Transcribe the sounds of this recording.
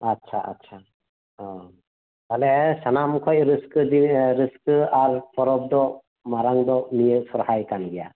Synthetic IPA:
atːsʰa̰ʔa̰tːsʰa | talesanamkʰɔjɾɯskɯdiɾɯskɯaɾpʰɔɾɔb̚d̪ɔ | maɾaŋd̪ɔmijɯsɔɾhajkanɡija

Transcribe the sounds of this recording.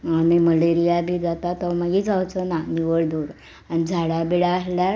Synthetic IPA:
amiməleɾijabʱiːd͡zat̪at̪ɔmaɡiːd͡zʱawt͡sənaniʋəɭd̪oɾ | añid͡zʱaɽabiɭaːslja

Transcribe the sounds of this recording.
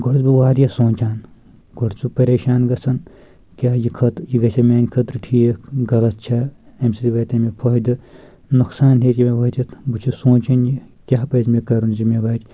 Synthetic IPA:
ɡoɾt͡sbiʋaːɾʲjɐsoːnt͡ʃaːn | ɡoɾt͡ʃʰupɐɾeːʃaːnɡɐt͡sʰɐn | kʲaːjikʰɐt̪jiɡɐt͡ʃʰɐmʲaːnʲkʰɐt̪ɾɨʈʰiːeɡɐlɐt̪̚t͡ʃʰɐ | ɐmsit̪iʋɐːt̪ɐmepʰɔɦd̪ɨ | nuksaːnɦet̪ʲimeʋɐt̪ʲɐt̪but͡ʃʰisõːnt͡ʃʰɐnji | kʲaːpɐːzmekɐɾunzimʲeʋɐːt̪ʲ

